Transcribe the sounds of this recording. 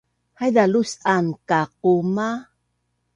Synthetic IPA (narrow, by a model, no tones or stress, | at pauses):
hajd̪alusʔankaq̚uma